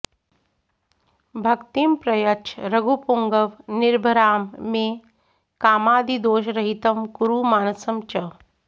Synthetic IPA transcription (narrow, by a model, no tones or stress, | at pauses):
bʱɐkt̪impɾɐjɐt͡ʃʰɾɐɡʱupuŋɡəʋnɪɾbʱɐɾaːmːẽ | kaːmaːd̪id̪oːʃɾɐɦit̪ɐmkuɾumaːnɐsɐmt͡ʃɐ